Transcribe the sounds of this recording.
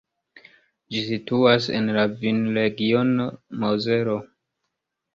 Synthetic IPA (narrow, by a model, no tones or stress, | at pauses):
d͡ʒisituasḛnlavinɾe̞ɡio̞nomoze̞ɾo̞